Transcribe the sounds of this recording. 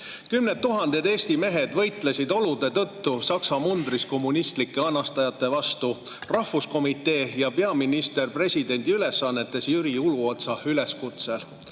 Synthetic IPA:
kymnet̪ːuɦɑnd̪ed̪e̞ːsʲt̪ime̞ɦe̞d̪vɤ̞jt̪ˑlesid̪o̞lud̪̥e̞t̪ɤ̞t̪ːusɑksɑmund̪risko̞mːunist̪likːe̞ɑnːɑst̪ɑjɑt̪ːˑe̞vɑst̪u | rɑhvusko̞mit̪ːˑe̞ːjɑpe̞ɑminist̪e̞rpre̞sʲid̪e̞nʲd̪̥iyle̞sːɑnːe̞t̪ːˑe̞sjyɾiuluo̞t̪sɑyle̞skut̪se̞l

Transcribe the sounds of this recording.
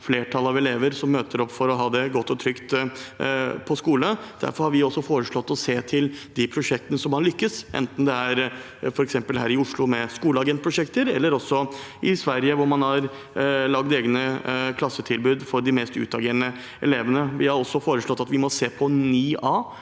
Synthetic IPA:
fleːʈʰɑlːˠɑʋɛleːʋəɾsɔmːøːt̪əɾɔpːfɔɾɔɦɑːd̪ɛɡɔt̪ːɔt̪ʰɾʏkt̪ | pʰɔskuːləd̪̥æ̰ɾfɔɾhɑɾʋɪɔsːɔfoːɾəʂɭɔt̪ːɔseːt̪ʰɪld̪ɪpʰɾʊʂɛk̚t̪ənəsɔmhɑɾlʏkːəsʔɛ̰nt̪n̩d̪ɛæɾ | fɔɾɛksɛmpəlɦæːɾɪʊʂɭʊmɛskuːləɑɡɛnt̪̚pʰɾʊʂɛkt̪əɾɛlːəɾɔsːɔʔɪsʋæɾjəʋʊɾmɑnɑɾ | lɑɡd̪eːɡnəkʰlɑsːət̪ʰɪlbʉːd̪fɔɾɖ̪ɪmɛːst̪ʉ̰ːt̪ɑɡeːɾənə | ɛ̰leːʋənəʋɪhɑɾɔsːɔfoːɾəʂɭɔt̪ːɑt̪ʋɪmɔseːpʰɔnyːɑː

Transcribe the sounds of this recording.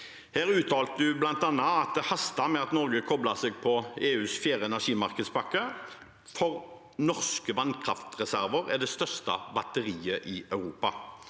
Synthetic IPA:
hæːʁʉːt̪ʰɑːlt̪əd̪ʉblɑnt̪ɑnɑɑt̪̚d̪ɛhɑst̪ɑmɛɑt̪nɔʁɡəkʰɔblɑsɛːɡ̚pʰɔeːʉːsfjæːʁəɛnæʁʂiːmɑʁkəd̪spɑkːə | fɔʁ | nɔʁskəʋɑnkʰʁɑft̪ʁɛsæʁʋəʁæd̪ɛst̪œʁst̪ɑ̰bɑt̪əʁiːəʔɪœʉʁuːpɑ

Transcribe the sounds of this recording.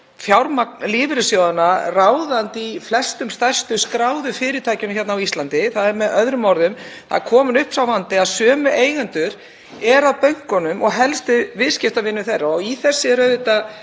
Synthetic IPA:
fjawɾmalɪːvɾɪsjowðanaraːwðant̪iflɛ̥st̪ʏmst̪aj̥st̪ʏskɾaːwðʏfɪːɾɪt̪ʰaːjcʏmçɛt̪nawist̪lant̪ɪθaðɛɾmɛðœðɾʏmɔɾðʏmθa̰kʰɔːmʏnʏhpsawvant̪ɪaðsœːmʏʔeːjɣant̪ʏɾ | ɛɾaðpœɥŋ̥kɔnʏmɔɣɦɛlst̪ɪvɪðscɪft̪avɪnːʏθejrːaɔiθɛsːɪɾœðɪt̪a

